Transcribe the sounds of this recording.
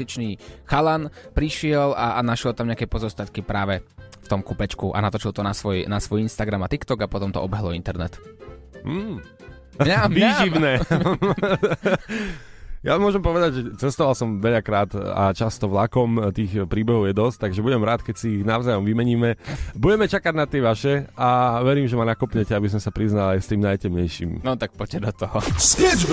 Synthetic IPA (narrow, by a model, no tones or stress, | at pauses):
it͡ʃniːxalanpɾiʃɪɛlanaʃɪɛlt̪amɲakɛpɔzɔst̪at̪kipɾaːʋɛft̪ɔmkupɛt͡ʃkuʔa̰nat̪ɔt͡ʃilˠt̪ɔnasʋɔjnasʋɔjinst̪aɡɾamat̪ikt̪ɔɡapɔt̪ɔmt̪ɔ̰ɔbɛɦlɔint̪ɛɾnɛt̪m̩ː | ɲaʋiːʒimnɛː | jamʊɔʒɛmpɔʋɛd̪aɟʒɛt͡sɛst̪ɔʋalsɔmʋɛʎakɾaːt̪a̰t͡ʃast̪ɔʋlakɔmt̪iːxpɾiːbɛɦɔʊjɛd̪ɔst̪aɡʒɛbuɟɛmɾaːt̪kɛcsiːɣnaʊzajɔmʋimɛɲiːmɛbuɟɛmɛt͡ʃakaɟnat̪ɪɛʋaʃɛaʋɛɾiːmʒɛmanakɔpɲɛcɛabis̬ɔmsapɾiznalajst̪iːmnajcɛmɲɛjʃḭːmnɔt̪ak̚pɔcːɛd̪ɔt̪ɔɦɔsɛd͡ʒ